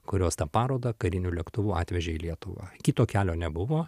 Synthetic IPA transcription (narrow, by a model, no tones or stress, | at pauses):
kʊɾʲoːst̪ɐpɑːɾoːd̪ɐkɐɾʲɪnʲuːlʲɛkt̪ʊʋuːɑːt̪ʲʋʲɛʒʲeilʲiɛt̪ʊʋɑ̰ːkʲit̪oːkʲæːlʲoːnʲɛbʊʋoː